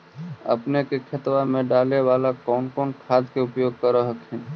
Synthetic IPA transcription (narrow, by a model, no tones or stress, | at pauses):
ə̰pnekekʰət̪wamẽɖaːleʋaːlakɔːnkɔːnkʰaːd̪keʊpjoːɡ̚kəɾəɦəkɦɛ̃